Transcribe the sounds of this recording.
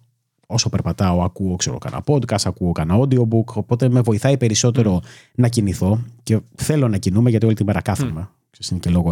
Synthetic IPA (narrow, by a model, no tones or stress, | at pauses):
o̞so̞peɾpɐt̪ɐoɐkuoksḛɾo̰kɐ̰nʔɐ̰po̞d̪kɐst̪ɐkuokɐnɐod̪io̞buko̞po̞t̪e̞me̞vo̞iθɐipe̞ɾiso̞t̪e̞ɾo̞ | nɐciniθo̞ce̞θe̞lo̞nɐcinumeʝɐt̪io̞lit̪ibɐɾɐkɐθume | kseisinecelo̞ɣo